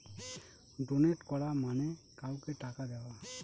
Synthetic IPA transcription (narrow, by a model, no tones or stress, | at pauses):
doneʈkɔɹamanɛkawkɛʈakad̪ɛwa